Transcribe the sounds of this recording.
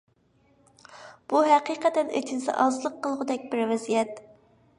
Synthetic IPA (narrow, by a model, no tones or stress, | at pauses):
b̥uɦæqiqʰɛt̪ɛnḛt͡ʃʰinsɪ̰ʔɑzɨlˠəqʰːəlˠʁʊd̪ɛk̚ʲbɪɾvɛzijɛt̪